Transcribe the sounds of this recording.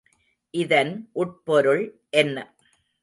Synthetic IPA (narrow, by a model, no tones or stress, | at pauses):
ʔɪðɐnʔʊʈ̚pɔɾɯɭ | ʔɛnːɐ